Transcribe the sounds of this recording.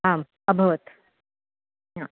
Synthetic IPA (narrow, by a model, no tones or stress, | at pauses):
ɦaːm | əbʱəʋət̪ | ɦã